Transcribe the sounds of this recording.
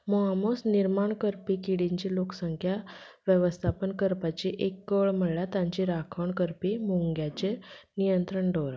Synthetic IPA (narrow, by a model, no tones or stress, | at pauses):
mɔɦamosniɾmaɳkəɾpikiɽiɲt͡ɕiloksəŋkʰja | ʋjəʋəst̪ʰapənkəɾpat͡ɕiʔekːəɭm̤əɽɭjat̪ãɲt͡ɕiɾakʰəɳkəɾpimuŋɡjat͡ɕenijənt̪ɾəɳɖoɾ